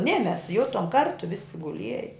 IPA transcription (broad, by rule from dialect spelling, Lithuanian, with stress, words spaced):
nʲɛ mʲɛs ˈjʊtoːm ˈkɐrtʊ ʋʲɪsʲɪ ɡʊˈlʲiɛjɛ